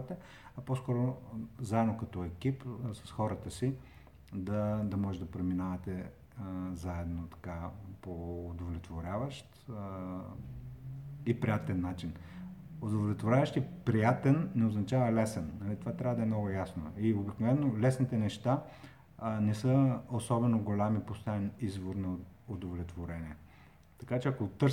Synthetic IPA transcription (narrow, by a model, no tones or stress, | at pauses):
t̪ɛ | ɐpɔskɔɾozaɛd̪nokɐt̪ɔɛk̟ipsɐ̥sxɔɾət̪əsi | d̪ɐd̪ɐmɔʒɛd̪ɐpɾɛminavɐt̪ɛ | zaɛd̪not̪ɐ̥kapoːd̪ovlʲɛt̪voɾʲavəʃt̪ | ipɾijat̪ɛnːat͡ʃin | od̪ovlʲɛt̪voɾʲavɐʃt̪ipɾijat̪ɛnːɛoznɐt͡ʃavɐlɛsɛnːɐlit̪ovat̪ɾʲavɐəd̪ɐɛmnɔɡʊjasnoiobiknovɛnːolɛsnit̪ɛnɛʃt̪a | nɛsəosɔbɛnoɡolʲamipost̪aɛnizvoɾnɐod̪ovlʲɛt̪voɾɛnʲiɛ | t̪ɐ̥kat͡ʃɛɐkot̪ɤɾ